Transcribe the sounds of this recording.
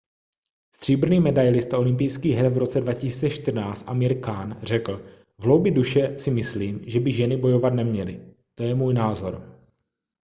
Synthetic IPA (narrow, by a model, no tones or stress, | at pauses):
st̪r̝̥iːbr̩niːmɛdajlɪst̪aʔo̞lɪmp̬ɪjskiːɦɛɾvɾo̞t͡sɛdvacɪsi̥ːt͡sɛʃt̪ɪr̩naːt͡st̪ʔamɪɾkaːnr̝ɛkl̩ | vlo̞wbɪduʃɛsɪmɪsliːmʒɛbɪʒɛnɪbo̞jo̞vat̪nɛmɲɛlɪ | t̪ojɛmuːjnaːzo̞ɾ